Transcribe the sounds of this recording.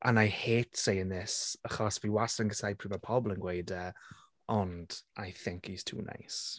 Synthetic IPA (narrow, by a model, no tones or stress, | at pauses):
ʔa̰najheːtʰsejənðɪsaχɔsviwasəŋɡəsajpʰriːmapʰɔblˠənɡwejdɛ | ɔnd̥ajθɪŋkʰiz̥tʰṵːna̰js